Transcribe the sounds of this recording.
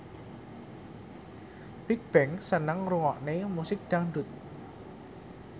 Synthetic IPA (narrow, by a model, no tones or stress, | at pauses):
bik̚b̥ɛŋsənəŋruŋɔʔnemusɪk̚d̪̥aŋɳɖʊ̤t̪̚